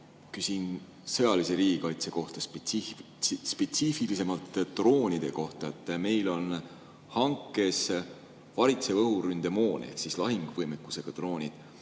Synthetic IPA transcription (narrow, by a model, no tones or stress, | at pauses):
kysin | sɤ̞jɑlise̞ɾiːɡ̥ikɑjt̪se̞ko̞ht̪ɑsp | spe̞t̪sifilise̞mɑlt̪ːro̞ːnʲid̪̥e̞ko̞ht̪ɑet̪ːˑme̞jlo̞n | hɑŋkːˑe̞s | vɑɾit̪se̞vɤɦuɾynd̪̥e̞mo̞ːnḛhksislɑɦiŋɡ̥vɤjmekːˑu̥se̞ɡ̥ɑt̪ro̞ːnʲid̪̥